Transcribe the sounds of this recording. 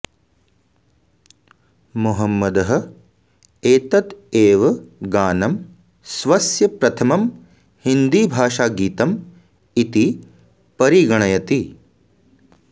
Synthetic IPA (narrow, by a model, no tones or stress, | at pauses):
muɦɐmːɐd̪ɐɦɐ̆ | eːt̪ɐt̪eːʋɐɡaːnɐm | sʋɐsjɐpɾɐt̪ʰɐmɐm | hind̪iːbʱaːʂaːɡiːt̪ɐm | it̪i | pɐɾiɡɐɳɐjɐt̪i